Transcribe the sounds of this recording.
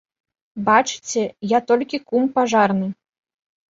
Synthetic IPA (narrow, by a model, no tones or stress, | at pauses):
bat͡ʂɨ̥t͡sʲɛjat̪ɔlʲkʲikumpaʐarnɨ